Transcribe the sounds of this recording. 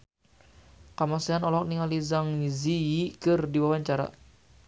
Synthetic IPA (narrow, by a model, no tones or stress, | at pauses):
kamasianɔlɔk̚niŋalizaŋizijikɨrdiwawaɲt͡ʃaɾa̰